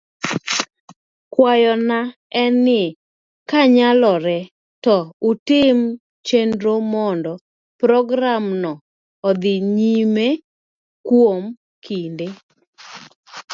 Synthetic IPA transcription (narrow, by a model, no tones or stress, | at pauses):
kwajɔna | ɛnɪ | kaɲalɔɾɛ | tɔutɪm | t͡ʃendɾomɔndɔ | pɾɔɡɾamnɔː | d̪ɪɲime | kwom | kʰinde